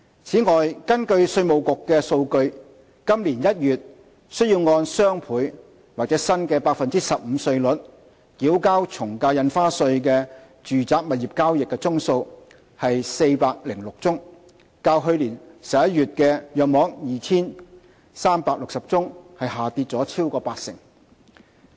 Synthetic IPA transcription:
t͡sʰiː˨˥ŋɔː˨˩jkɐ˥nkɵ˧ɥsɵ˧ɥmo˨wkʊ˨kːɛː˧so˧wkɵ˧ɥ | kɐ˥mliː˨˩njɐ˥t̚jyː˨t̚ | sɵ˥ɥjiː˧wŋɔː˧nsœː˥ŋpʰuː˨˥j | waː˨k̚t͡sɛː˨˥sɐ˥nkɛː˧paː˧k̚fɐ˨nt͡siː˥sɐ˨p̚m̩ː˨˧sɵ˧ɥlɵ˨˥t̚ | kiː˨˥wkaː˥wt͡sʰʊ˨˩ŋkaː˧wjɐ˧nfaː˥sɵ˧ɥk̬ɛː˧ | t͡ʃyː˨t͡saː˧˥k̚mɐ˨t̚ji˨p̚kaː˥wjɪ˨kːɛ˧t͡sʊ˥ŋso˧w | hɐ˨jse˧jpaː˧k̚lɪ˨˩ŋlʊ˨k̚t͡sʊ˥ŋ | kaː˧wɦɵ˧ɥliː˨˩nsɐ˨˩jɐ˥t̚ːyː˨t̚kɛː˧jœː˨k̚mɔː˨˥ŋjiː˨t͡sʰiː˥n | saː˥mpaː˧k̚lʊ˨k̚sɐ˨p̚t͡sʊ˥ŋhɐ˨jhaː˨˩t̪iː˧t̚t͡sɔː˨˥t͡sʰiː˥wkɔː˧paː˧k̚sɪ̰˨˩ŋ

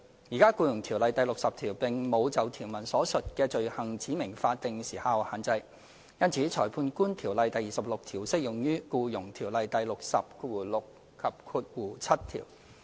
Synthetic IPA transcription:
jiː˨˩kaː˥kuː˧jʊ˨˩ŋt̪ʰiː˨˩wlɐ˨˧jt̪ɐ˨˧jlʊ˨k̚sɐ˨p̚t̪ʰiː˨˩wpɪ˨ŋmo˨˧wt͡sɐ˨wt̪ʰiː˨˩wmɐ˨˩nsɔː˨˥sɵ˨t̚kɛː˧t͡ʃɵ˨ɥhɐ˨˩ŋt͡siː˨˥mɪ˨˩ŋfaː˧t̚t̪ɪ˨ŋsiː˨˩ha˧whaː˨nt͡sɐ˧j | jɐ˥nt͡sʰiː˨˥t͡sʰɔː˨˩jpʰuː˧nkuː˥nt̪ʰiː˨˩wlɐ˨˧jt̪ɐ˨jːiː˨sɐ˨p̚lʊ˨k̚t̪ʰiː˨˩wsɪ˥k̚jʊ˨˩ŋjyː˥kuː˧jʊ˨˩ŋt̪ʰiː˨˩wlɐ˨jt̪ɐ˨jlʊ˨k̚sɐ̰˨p̚kuː˨˩lʊ˨k | kʰɐ˨p̚kʰuː˧t̚wuː˨˩t͡sʰɐ˥t̚t̪ʰḭː˨˩w

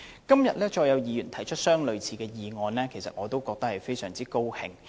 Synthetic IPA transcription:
kɐ˥mjɐ˨t̚lɛː˥t͡ʃɔː˧jɐ˨˧wjiː˨˧ɥyː˨˩nt̪ʰɐ˨˩jt͡ʃʰɵ˥t̚sœː˥ŋlɵ˨˧ɥt͡sʰiː˨˧kɛː˧jiː˨ŋɔː˨˧nlɛː˥kʰe˨˩jsɐ̰˨t̚ŋɔː˨˧t̪o˥wkɔː˧k̚t̪ɐ˥k̚hɐ˨jfe˥jsœː˨˩ŋt͡siː˥ko˥whɪ̰˨˩ŋ

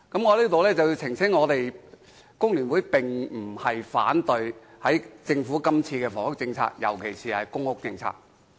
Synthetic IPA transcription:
kɐ˨˥mŋɔː˨˧liː˥t̪o˨wlɛː˥t͡sɐ˨wji˧wt͡sʰɪ˨˩ŋsʰɪ˥ŋŋɔː˨˧t̪e˨j | kʊ˥ŋlyː˨˩nwu˨˥jpɪ˨˩ŋm̩˨˩hɐ˨jfa̰ː˨˥nt̪ɵ˨˧ɥ | hɐ˨˥jt͡sɪ˧ŋfuː˨˥kɐ˥mt͡sʰiː˧kɛː˧fɔ̰ː˨˩ŋhʊ˥k̚t͡sɪ˧ŋt͡sʰa̰ː˧k̚jɐ̰˨˩wkʰe˨˩jsiː˨hɐ˨jkʊ˥ŋhʊ˥k̚t͡sɪ˧ŋt͡sʰa̰ː˧k̚

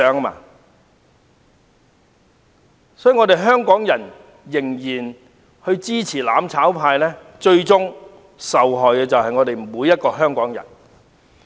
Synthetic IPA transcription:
œː˨˥ŋɐ˥ma̰ː˧ | sɔː˦˥jyː˨ŋɔː˨˧t̪e˨jɦœː˥ŋkɔː˨˥ŋjɐ˨˩n | jɪ˨˩ŋjiː˨˩n | hɵ˧ɥt͡siː˥t͡sʰiː˨˩la̰ː˨˧˥mt͡sʰaː˨˥wpʰaː˧jlɛː˥ | t͡ʃɵ˧ɥt͡sʊ˥ŋ | sɐ˨wɦɔː˨jkɛː˧t͡sɐ˨whɐ˨jŋɔ˨˧t̪e˨jmuː˨˧jːɐ˥t̚kɔː˧ɦœː˥ŋkɔː˨˥ŋjɐ̰˨˩n

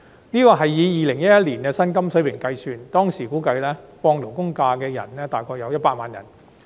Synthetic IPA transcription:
niː˥kɔː˧ɦɐ˨jːiː˨˧jiː˨lɪ˨˩ŋjɐ˥t̚jɐ˥t̚liː˨˩nkɛː˧sɐ˥nkɐ˥msɵ˨˥ɥwɪ˨˩ŋkɐ˧jsyː˧nt̪ɔː˥ŋsiː˨˩kuː˨˥kɐ˧jlɛː˥fɔː˧ŋlo˨˩wkʊ˥ŋkaː˧kɛː˧jɐ̰˨˩nlɛː˥t̪aː˨˩jkʰɔː˧k̚jɐ˨˧wjɐ˥t̚paː˧˥t̚maː˨njɐ̰˨˩n

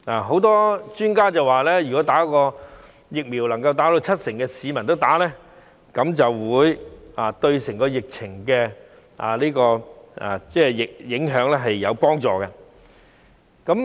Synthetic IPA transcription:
aː˨˩ɦo˨˥wt̪ɔː˥t͡ʃyː˥nkaː˥t͡sɐ˨waː˨lɛː˥jy˨kɔː˨˥t̪aː˨˥kɔː˧ | jɪ˨k̚miː˨˩wlɐ˨˩ŋkɐ˧wt̪aː˨˥d̪o˧t͡sʰɐ˥t̚sɪ˨˩ŋkɛ˧siː˨˧mɐ˨˩nt̪o˥wt̪aː˨˥lɛː˥ | kɐ˨˥mt͡sɐ˨wwuː˨˧jaː˨t̪ɵ˧ɥsɪ˨˩ŋkɔː˧jɪ˨k̚t͡sʰɪ˨˩ŋkɛ˧ | a̰ː˨˩liː˥kɔː˧a̰ː˨˩t͡sɛː˥˧˩jɪ˨k̚jɪ˨˥ŋɦœː˨˥ŋlɛː˥ɦɐ˨jːɐ˨˧wpɔː˥ŋt͡sɔ̰ː˨˧kɛ˧ | kɐ˨˥m

